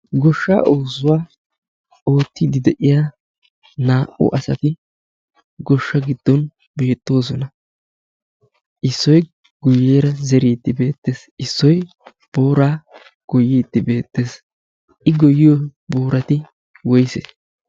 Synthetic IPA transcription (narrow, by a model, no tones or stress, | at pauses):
ɡɔʃːa̰ːʔoːsʊwaː | o̞ːt̪ːɪd̪ɪd̪ɛʔɪjaː | naːʔʊ̰ʔɐsɐt̪ɪ | ɡɔʃːɐɡɪd̪̥ːɔn | be̞ːt̪ːo̞ːsɔnɐ | ʔɪsːɔj | ɡ̥ʊjeːɾɐzɛɾiːt̪ːɪbe̞ːt̪ːeːsʔɪsːɔj | b̥o̞ːɾaː | ɡ̥ɔjiːt̪ːɪbe̞ːt̪ːe̞ːs | ʔɪɡɔjɪjoboːɾɐt̪ɪ | wɔjse